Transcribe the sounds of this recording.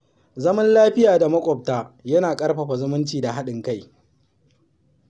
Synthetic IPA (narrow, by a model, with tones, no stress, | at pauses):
zɐ˦mɐ˦nlaː˦ɸɪ˦jaː˨da˨mɐ˦kʷʼɔ˨p̚taː˦jɐ˦naː˨kʼɐ˦rɸɐ˨ɸa˨zʊ˦mʊ˦nt͡ʃiː˨da˨ɦa˦ɗɪ˨ŋka˦j